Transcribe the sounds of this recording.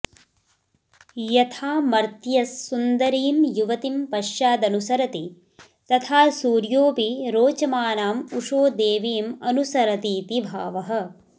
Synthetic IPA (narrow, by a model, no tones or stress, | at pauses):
jɐt̪ʰaːmɐɾt̪jɐsːund̪ɐɾiːmjuʋɐt̪impɐʃjaːd̪ɐnusɐɾɐt̪i | t̪ɐt̪ʰaːsuːɾjoːpiɾoːt͡ʃɐmaːnaːmuʂoːd̪eːʋiːmɐnusɐɾɐt̪iːt̪ibʱa̰ːʋɐɦɐ̆